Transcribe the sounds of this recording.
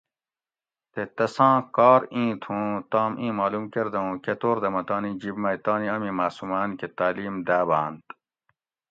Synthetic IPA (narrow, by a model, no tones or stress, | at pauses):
t̪et̪ɐsãːkɑːɾĩːt̪ʰũːt̪aːmʔĩːmaːlumkeɾd̪ɐũket̪oːɾd̪ɐmɐt̪ɑːnid͡ʑibmɐjt̪ɑːniɐmĩmaːsumaːnket̪aːliːmd̪aːbaːnt̪